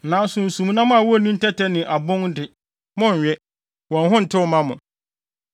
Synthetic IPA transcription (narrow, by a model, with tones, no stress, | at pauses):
nã˨˦sʊ˨n̩˨sũ˨m˦nã˦m˦a˨wɔ˦˨nĩ˦n̩˦tʰɛ˦tʰɛ˦nɪ̃˨ʔa˨bʊ̃˦ŋdɪ˨ | mʊ̃˦˨ɲ̩˨ɥᶣɛ˦ | wɔ̃˨n˦ɦʊ̃˦n̩˨tʰɪ˦mã˦mʊ̃˨